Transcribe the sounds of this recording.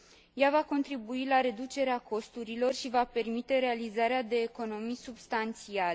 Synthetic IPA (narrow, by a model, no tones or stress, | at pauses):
javako̞nt̪ɾibuilaɾe̞d̪ut͡ʃe̞ɾeako̞st̪uɾilo̞rʃivape̞rmit̪e̞ɾe̞alizaɾead̪e̞ːko̞no̞mijsubst̪ant̪siale